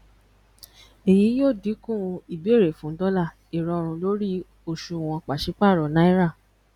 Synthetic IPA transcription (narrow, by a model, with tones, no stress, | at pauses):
e˨ji˨˦joː˦˨di˨˦kũ˦˨˧i˨be˦˨ɾe˨fũ˨˦n̩˦dɔ˦la˦˨ | i˨ɾɔ˨˧˨ɾ̃ũ˧lo˦ɾi˦ | o˧ʃũ˧w̃ɔ̃˧k͡pa˨ʃi˨˦k͡pa˦˨ɾɔ˨nã˦i˦ɾa˦˨